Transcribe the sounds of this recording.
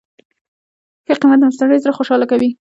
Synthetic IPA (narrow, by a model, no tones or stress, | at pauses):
xəqimat̪̚d̪əmast̪aɽəjs̬aɾaxoʃɑlakawi